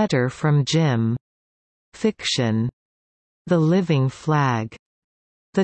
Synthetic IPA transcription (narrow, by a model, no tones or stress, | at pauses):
ɛɾə˞fɹʌ̃md͡ʒɪ̃m | fɪkʃɨ̃n | ðəlɪvɪ̃ŋflæɡ | ðɨ